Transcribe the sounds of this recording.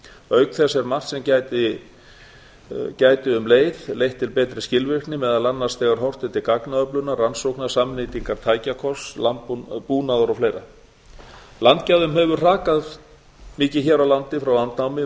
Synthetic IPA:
œɥknθɛsɛɾmar̥t̪sɛmcat̪ɪ | caːjt̪ɪʏmleːjðlejht̪ʰːɪlpɛːt̪ɾɪscɪlvɪr̥k̪nɪmɛðalanːast̪ɛːɣaɾ̥ɦɔr̥t̪ɪt̪ʰɪlkaknaœplʏnːaransowknasamniːt̪iŋkaɾ̥t̪ʰaːjcakʰɔslampuːnaðɔɾɔfleːjɾa | lant̪caðʏmɦɛvʏ̥r̥aːkað | mɪːcɪçɛːɾawlant̪ɪfɾawlant̪nawmɪ

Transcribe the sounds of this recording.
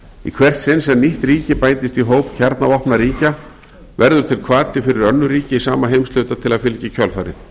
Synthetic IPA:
ḭkʰvɛr̥t̪sɪnsɛmniht̪riːcɪpajnt̪ɪst̪iɦoːwpcʰɛɾt̪navɔhpnaɾiːca | vɛɾðʏɾt̪ʰɪlkʰvaːt̪ɪfɪɾɪɾœnːʏɾiːcɪisaːmaɦejmst̪lœɥt̪at̪ʰɪlaðfɪlcɪcʰœlfaːjɾɪ̰n

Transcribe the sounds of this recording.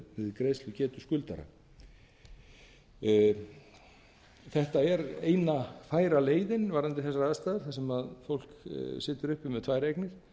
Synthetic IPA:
ɪðɪkɾejslʏcɛːt̪ʏ̥skʏlt̪a̰ɾa̰ | θɛht̪aɛɾejnafaːjɾaleːjðɪnvaɾant̪ɪθɛsaɾaðst̪aːðaɾ̥θasɛmaðfowl̥ksɪːt̪ʏɾʏhpɪmɛðt̪ʰvaːjɾejknɪɾ̥

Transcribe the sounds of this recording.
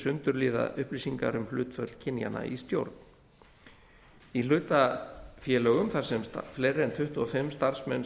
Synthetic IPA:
sʏnt̪ʏɾliːða̰ʏhplisiŋkaɾʏmhlʏːt̪fœt̪l̥cʰɪnja̰nːa̰ist̪jo̰wɾt̪n | ilʏːt̪afjɛːlœɣʏmθḁsɛmst̪a̰flejɾɪɛnt̪ʰʏht̪uɔfɪmːst̪aɾ̥smɛn

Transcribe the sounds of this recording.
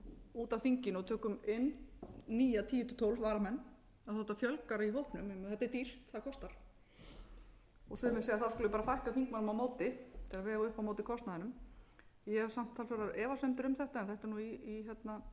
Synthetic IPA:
uːt̪anfiɲcɪnɔt̪ʰœːkʏmɪnːniːjat̪ʰiːjʏt̪ʰʏt̪ʰɔwlvvaːɾamɛnː | aðɔht̪ːafjœlkaɾaiɦowhpnʏmɛmθɛht̪aɛɾt̪ir̥t̪θaðːkʰɔst̪aɾ̥ | ɔɣsʏmɪsejaθawskʏlpaːɾafajhkafiŋkmanʏmawmoːwt̪ɪt̪ʰɪlavɛːɣaʏhpawmoːwt̪ɪkʰɔst̪naðɪnʏm | jɛsam̥t̪ʰːalsvɛɾaɾɛːvasœmt̪ɪɾʏmθɛht̪aɛnθɛht̪ɪɾnuiːɦɛt̪na

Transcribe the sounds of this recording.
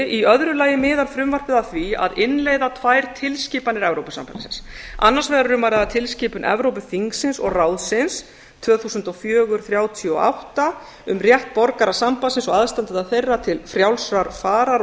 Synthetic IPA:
ʔiœðɾʏlaːjɪmɪːðaɾfɾʏmvar̥pɪðaθvia̰ðɪnlejðat̪ʰvaːjɾ̥t̪ʰɪlsciːpanɪɾɛvɾowpʏsa̰mpa̰lsɪnsa̰nːaɾ̥svɛɾʏɾʏmvajɾaðat̪ʰɪlsciːpʏnʔɛ̰vɾowpʏθiŋksɪnsɔ̰ɣraːwðsɪns | t̪ʰv̥œːθuːsʏnt̪ɔfjœːɣʏɾ̥θɾjaːwt̪ʰiɔa̰wht̪a | ʏmrjɛht̪̚pɔɾkaɾasampasɪnsɔɣaðst̪ant̪ɪðaθejrːat̪ʰɪlfɾjawlsɾaɾfaːɾaɾ

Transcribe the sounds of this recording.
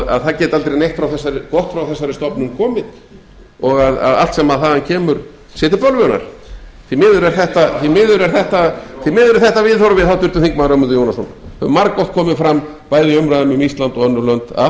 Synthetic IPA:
a̰ðθacɛːt̪alt̪ɾejnejht̪fɾawθɛsːaɾɪkɔht̪fɾawθɛsːaɾɪst̪ɔpnʏnkʰɔːmɪð | ɔɣaða̰ða̰l̥t̪sɛmaðθaðancʰɛːmʏɾ | sɪːt̪ɪɾpœlvʏna̰ɾ̥θimɪːðʏɾɛɾ̥θɛht̪aθimɪːðʏɾɛɾ̥θɛht̪aθimɪːðʏɾɪɾθɛht̪avɪðθowɾʏvɪðθawt̪ʏɾt̪ʏmθiŋk̚maðɾœmʏnt̪ʏjoːwnasɔnmaɾkːɔht̪̚kʰɔːmɪðfɾam | paːjðɪœmɾajðamʏmist̪lant̪ɔɣœnːʏɾlœnt̪a̰

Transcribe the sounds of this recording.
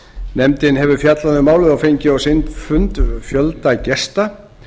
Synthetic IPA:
nɛmt̪ɪnɦɛvʏɾfjat̪laðʏmaːwlɪðawfejɲcɪawsɪnt̪fʏnt̪fjœlt̪acɛst̪a

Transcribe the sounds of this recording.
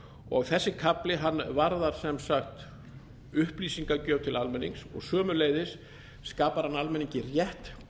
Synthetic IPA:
ɔ̰ɣθɛsːɪkʰaplɪɦanːvaɾðaɾ̥sɛmsaxt̪ | ʏhpliːsiŋkacœːwt̪ʰɪlalmɛniŋksɔ̰ɣsœːmʏleːjðɪsː | kaːpaɾ̥hanːalmɛniɲcɪrjɛht̪

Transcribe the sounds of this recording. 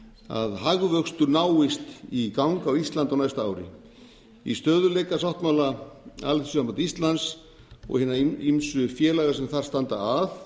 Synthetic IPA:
a̰ðhaɣvœkst̪ʏɾnaːwɪst̪ikawŋkawist̪lant̪awnajst̪aaːwɾɪ̰ | ḭst̪œːðʏlɛːkasawht̪mawlaa̰lθsʏampat̪ist̪lans | ɔ̰ɣhɪːnːaimsʏfjɛːlaɣas̬ɛmθaɾ̥st̪ant̪aaθ

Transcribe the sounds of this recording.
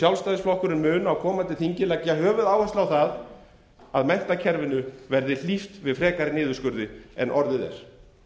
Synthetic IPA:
sjawlst̪aːjðɪsflɔhkʏɾɪnmʏːnawkʰɔːmant̪ɪθiɲcɪlɛcaɦœːvʏðaːwhɛst̪lawθað | aðmɛjn̥t̪acʰɛɾvɪnʏvɛɾðɪl̥ift̪vɪðfɾɛːkaɾɪnɪːðʏskʏɾðɪɛnʔɔɾðɪðɛ̰ɾ̥

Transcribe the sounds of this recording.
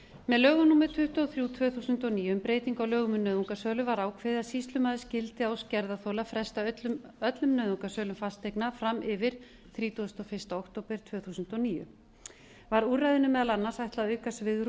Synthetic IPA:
mɛðlœːɣʏnuːmɪt̪ʰʏht̪ɔθɾjuːt̪ʰvœːθuːsʏnt̪ɔniːʏmpɾeːjt̪iŋkawlœːɣʏmʏnːœːðuŋkasœːlʏvaɾaːwkʰvɪðɪasist̪lʏmaðɪscɪlt̪ɪawscɛɾðaθowlafɾɛst̪alʏmœt̪lʏmnœːðuŋkasœːlʏmfast̪ejknafɾamʔɪvɪɾ̥ | θɾiːt̪uʏst̪ɔfɪr̥st̪aowkt̪oːwpɪɾ̥t̪ʰvœːθuːsʏnt̪ɔniːjʏ̰ | vaɾuːrajðɪnʏmːɛːðalanːasajht̪laœːɥkasvɪðɾ

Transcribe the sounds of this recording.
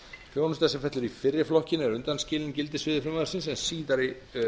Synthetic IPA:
fjoːwnʏst̪asɛmfɛht̪lʏɾifɪrːɪflɔhcɪnɛɾʏnt̪anscɪːlɪncɪlt̪ɪsvɪːðɪɾfɾɪmaðaɾsɪnsɛnsiːt̪aɾɪ

